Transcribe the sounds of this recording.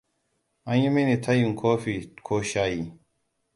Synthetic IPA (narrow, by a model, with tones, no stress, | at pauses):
ãje˦mi˦ni˨t̪ʰɐ˦jũ˨ŋkʰoː˦fi˨kʰoː˦ɕaːji˨